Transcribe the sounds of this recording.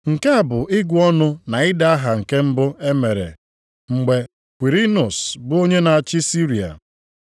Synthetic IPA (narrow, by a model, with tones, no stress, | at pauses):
ŋ̩˨ke˦a˨bʊ˨ʔɪ˦ɡʷu˨ɔ˦nʊ˦na˨ɪ˦da˦a˦ɦa˨ŋ̩˨ke˦m̩˦bʊ˦e˦me˨ɾḛ˨ | ŋ͡m̩˨ɡ͡be˨ | kʷi˨ɾi˦nʊ˨sbʊ˦o˦ɲe˦na˨a˨t͡ʃɪ˦si˦ɾi˨a̰˨